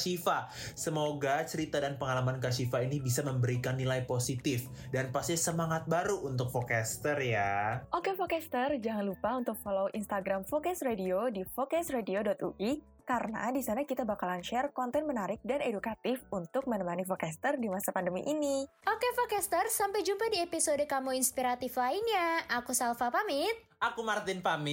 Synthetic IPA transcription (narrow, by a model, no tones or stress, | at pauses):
ʃifasəmoɡat͡ʃəɾit̪adanpəŋalamankaʃifainibisaməmbəɾikanːilajposit̪ɪf | danpast̪isəmaŋat̪̚baɾuʔunt̪ʊk̚fokɛst̪ərjaʔokefokɛst̪ərd͡ʒaŋanlupaunt̪ʊk̚foloʔinst̪aɡɾamfokɛsrediodifokɛsrediodɔt̪ṵʔi | kaɾəna̰disanakit̪abakalanʃɛrkɔnt̪ɛnmənaɾɪk̚danedukat̪ɪfunt̪ʊk̚mənəmanifokɛst̪ərdimasapandəmḭʔiniʔokefokɛst̪ərsampajd͡ʒumpadiepisodəkamuinspiɾat̪ɪflainɲjaʔakusalfapamɪt̪̚ʔakumart̪ɪnpamɪ